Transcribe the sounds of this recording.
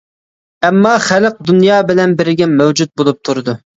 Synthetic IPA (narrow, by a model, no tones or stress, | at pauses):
ɛmːɑχælq̚d̪unjɑːbɪlɛnbɪɾɪɡʲɛmɛwd͡ʒut̪̚bolˠup̚t̪ʰuɾɨd̪u